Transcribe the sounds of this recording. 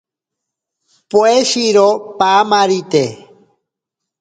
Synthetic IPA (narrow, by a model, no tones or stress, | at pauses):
poeʃiɾopamaɾit̪e